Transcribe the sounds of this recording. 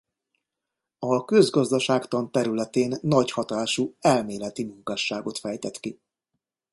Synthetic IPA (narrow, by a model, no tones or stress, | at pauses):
ɒkø̞zɡɒzd̪ɒʃaːkt̪ɒnt̪ɛɾylɛt̪eːnːɒɟhɒt̪aːʃuɛlmeːlɛt̪imuŋkaːʃːaːɡo̞t̪fɛjt̪ɛt̪ki